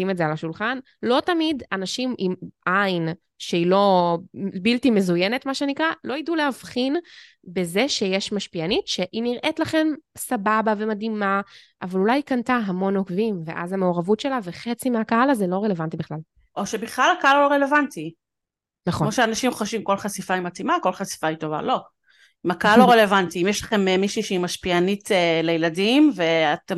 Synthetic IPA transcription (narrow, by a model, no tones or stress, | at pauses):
simetzealaʃulχan | lo̞tamidanaʃimʔimʔajn | ʃeilo̞ | biltime̞zuje̞netmaʃenikʁalo̞idulehavχin | be̞zeʃejeʃmaʃpianitʃe̞ʔiniʁʔetlaχe̞nsababave̞mad̪imaʔavalulajkantaɦamo̞nokvimve̞̰ʔa̰zhame̞oʁavutʃe̞laveχet͡simeakaalazelo̞ʁele̞vantibiχlal | ʔo̞ʃebiχlalakaaloloʁelevanti | naχomoʃeanaʃimχoʃvimko̞lχasifaimatimako̞lχasi̥faito̞va̰lo | imakaalːoʁelevantiimjeʃlaχe̞memiʃiʃeimaʃpianitelejeladimve̞at̪em